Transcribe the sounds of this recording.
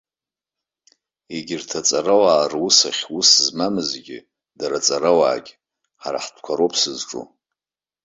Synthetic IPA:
iɡʲɪrtʰat͡sʼaɾawaːrwusaχʲusɨzmamɨzɡʲɪ̰ | daɾat͡sʼaɾawa̰ːɡʲ | ħaɾa̰ħdʰkʷʰaɾopʰsɨzʈ͡ʂʼṵ

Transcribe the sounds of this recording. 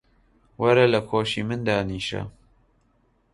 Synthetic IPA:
wɐɾɐlɐkʰoːʃiːmɨnd̪aːniːʃɐ̰

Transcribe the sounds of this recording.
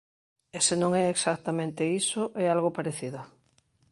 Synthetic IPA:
esenõŋɛeksak̚t̪amẽnt̪eisoʔɛalɣopaɾeθiðo

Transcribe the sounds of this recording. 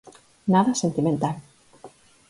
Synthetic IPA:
naðasent̪imẽnt̪al

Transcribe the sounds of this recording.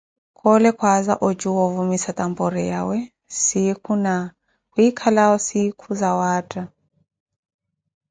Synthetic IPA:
kʰʼɔlɛkʰwazaʔɔt͡ʃʼuwɔvumisat̪ʼampʼɔɾɛja̰wɛ | sikʰuna | kwuikʰalaɔsikʰuzawaːtʼa

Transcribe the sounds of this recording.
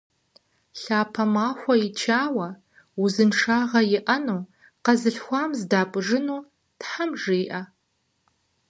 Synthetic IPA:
ɬaːpʰɐmaːxʷɐit͡ʃʰaːwɐ | uzɨnʂaːʁɐjɪʔɐnuː | qɐzɨɬxʷaːmzdaːpʷʼʐɨnuː | tħamʐeːʔɐ

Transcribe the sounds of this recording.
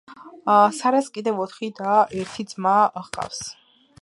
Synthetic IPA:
saɾaskʼid̪ɛvɔt̪ʰχid̪aɛɾt̪ʰid̪zmaʁqʼa̰fs

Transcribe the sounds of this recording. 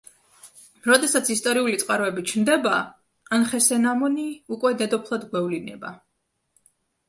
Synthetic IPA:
ɾɔd̪ɛsat̪sʰist̪ʼɔɾiulit̪sʼqʼaɾɔɛbit͡ʃʰnd̪ɛbaː | nχɛsɛnamɔniukʼwɛd̪ɛd̪ɔpʰlˠad̪ɡwɛvlinɛ̰ba̰

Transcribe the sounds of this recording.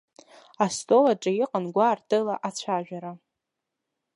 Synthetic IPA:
astʼolaʈ͡ʂʼajɪqʼanɡʷartʰɨlaʔat͡ɕʷʰaʒᶣaɾa

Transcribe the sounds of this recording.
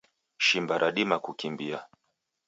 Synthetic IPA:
ʃimbaɾʔaɗimakukimbia

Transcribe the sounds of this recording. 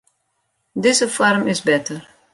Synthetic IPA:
dɪzəfɔɾmɪsbɛtər

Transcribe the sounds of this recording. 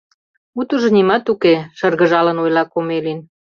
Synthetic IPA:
ut̪uʒɤ̆nimɑt̪ukeʃərɣə̆ʒɑlənojlɑkomelin

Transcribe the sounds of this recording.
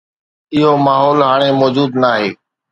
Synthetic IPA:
ɪɦoːmaːɦɔːlɦaːɽ̃emɔːd͡ʒuːd̪naːɦeː

